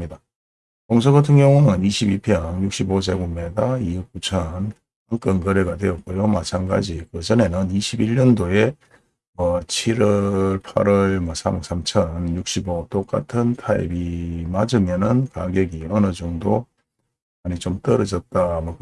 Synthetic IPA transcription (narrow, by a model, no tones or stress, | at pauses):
ida | koŋs̬ʰoɡatʰɯŋjʌŋunɯniɕʰibipʰjʌŋjuk̚ɕ͈ibod͡ʑeɡumedaiuk͈̚ut͡ɕʰʌn | ɯk͈ʌnkɯɾeɡadwe̞ʌt̚k͈ojomat͡ɕʰanɡa̰d͡ʑikɯd͡ʑʌne̞nɯniɕʰibiʎːʌndoe̞ | mʌt͡ɕʰiɾʌɭpʰa̰ɾʌɭmʌsʰabek̚s͈ʰamt͡ɕʰʌnjuk̚ɕ͈ibot͈ok͈a̰tʰɯntʰaḭbimad͡ʑɯmjʌnɯnkaɡeɡiʌnɯd͡ʑoŋdo | maɲit͡ɕomt͈ʌɾʌd͡ʑʌt̚t͈amʌ